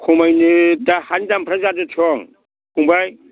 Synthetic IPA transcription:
kʰɔmajnɯdahandampʰɾazadɯtʰɔŋ | kumbaj

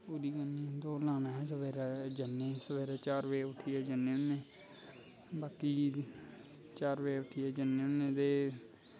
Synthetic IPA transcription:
puːɾiːkənːĩːd̪oːlaːnãːɛ̃səʋeːɾaːd͡ʒənːeːsəʋeːɾaːt͡ʃaːɾʋeːʊʈʰːiːɛːd͡ʒənːẽːʊnːeː | baːkiː | t͡ʃaːɾʋeːʊʈʰiɛːd͡ʒənẽːʊnːẽːd̪eː

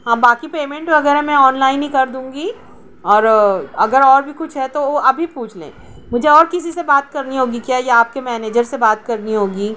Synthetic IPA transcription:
ɦãːbaːkipeːmɛ̃ɳʈʋɐɡɛːɾɦɛmɛ̃ɔːnlaːɪnɦĩkɐɾd̪ũːŋɡiː | ɔːɾɐɡəɾɔːɾbʱikʊt͡ʃʰɦɛt̪ooɐbʱipuːt͡ʃʰlḛ̃ː | mʊd͡ʒʱeɔːɾkɪsisebaːt̪kɐɾniɦoːɡikjaːjeaːp̚kemɛːneːd͡ʒəɾsebaːt̪kɐɾniɦoːɡiː

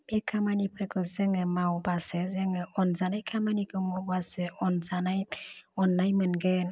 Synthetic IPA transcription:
mekʰamanipʰɾekɯzeŋɯmawbasezeŋeɔnzanajkʰamanikɯmɔbaseɔnzanajɔnːajmɯnɡen

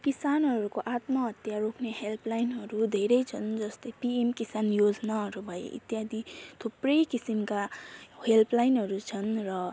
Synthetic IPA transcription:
kisanɦʌɾukoʔat̪mʌɦʌt̪jarokʰneɦelpʰlajnɦʌɾud̪ʱeɾʌjt͡sʰʌnd͡zʌst̪ʌjpiemkisanjod͡znaɦʌɾubʱʌjḛʔḭt̪jad̪ʱit̪ʰuprʌjkisimkahelpʰlajnɦʌɾut͡sʰʌnrʌ

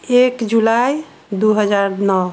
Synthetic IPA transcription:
ekd͡ʒulaj | d̪uɦəd͡ʒaɾnɔ

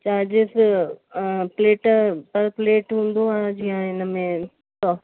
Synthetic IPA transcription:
t͡ɕaːɾd͡ʑɪs | pleːʈpɐɾpleːʈɦũːn̆d̪oaɦd͡ʑijãɪnəmẽ | sɔː

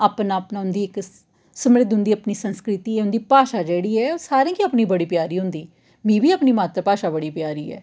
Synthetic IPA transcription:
aːpnaːpnaːɦʊnd̪iːɪk | səmɾɪd̪ɦʊ̃nd̪iːəpniːsənskɾɪt̪iːɛɦʊnd̪iːpaːʃaːd͡ʒeːɽiːɛːosaːɾẽːkiəpniːbəɽiːpjaːɾiːɦʊ̃nd̪iː | mĩːbiːəpniːmaːt̪ɾəpaːʃaːbəɽiːpjaːɾiːɛ̰ː

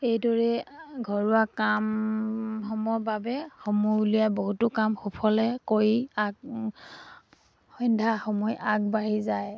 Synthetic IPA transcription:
ejdɔɹɛɡʱɔɹʊwakam | xɔmɔɹbabɛxɔmɔulijaboɦutʊkamxupʰɔlɛkoɹiaɡ | xɔjndʱaxɔmɔjaɡ̚baɹizaj

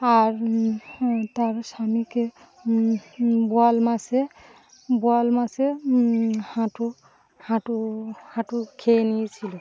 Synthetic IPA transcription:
aɹ | taɹsamikɛ | bualmasɛ | bualmasɛ | hãtʊ | hãtʊhãtʊkʰenisʰilɔ

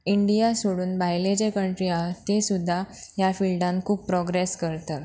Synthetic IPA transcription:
iɳɖijasoɽuːnbajled͡ʑekəɳʈɾiat̪esud̪ʱːajafilɖãnkʰuːp̚pɾɔɡɾeskəɾt̪ə

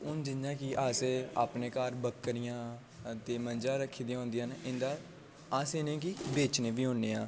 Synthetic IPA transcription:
ʊnd͡ʒɪnːãːkɪʔaːseːaːpneːkaːɾbəkːəɾɪjãː | t̪eːmənd͡ʒaːɾəkʰːiːd̪ĩjãɦõːnd̪ijənɪnd̪aː | aːseːnẽːk̬ibeːt͡ʃnẽːbiːɦõːneːaː

